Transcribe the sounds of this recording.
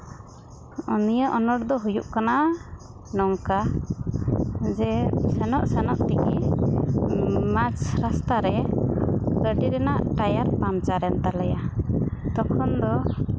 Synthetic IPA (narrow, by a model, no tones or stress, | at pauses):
unijəʔɔnɔɽd̪ɔɦujuʔkana | nɔŋka | d͡ʒɛsɛnɔʔsɛnɔʔt̪iki | mat͡ʃɾast̪aɾɛ | kəɖiɾɛnaʔʈajaɾpamt͡ʃaɾɛnt̪alɛjat̪ɔkʰɔnd̪ɔ